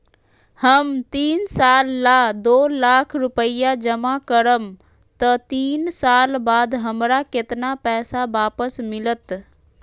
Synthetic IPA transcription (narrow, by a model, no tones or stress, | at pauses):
həmt̪iːnsaːlːad̪oːlaːkʰɾʊpəɪjad͡ʒəmakəɾəm | t̪ət̪iːnsaːlbaːd̪ɦəmɾakɪt̪napɛːsabaːpəsmɪlət̪